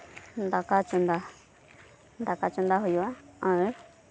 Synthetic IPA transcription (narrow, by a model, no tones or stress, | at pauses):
nd̪akat͡ʃund̪a | nd̪akat͡ʃund̪aɦujuaãe